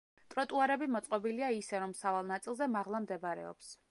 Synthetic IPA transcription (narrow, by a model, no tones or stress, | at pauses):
t̪ʼɾɔt̪ʼuaɾɛbimɔt̪sʼqʼɔbiliaisɛɾɔmsavalˠnat̪sʼilˠzɛmaʁlˠamd̪ɛbaɾɛ̰ɔ̰ps